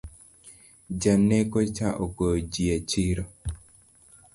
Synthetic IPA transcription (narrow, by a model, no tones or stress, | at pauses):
d͡ʒanekot͡ʃaʔokod͡ʒiet͡ʃiɾo